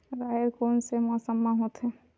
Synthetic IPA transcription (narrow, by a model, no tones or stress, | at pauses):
ɾaːɦeɾkoːnsemɔsəmːãɦot̪ɦɛ̃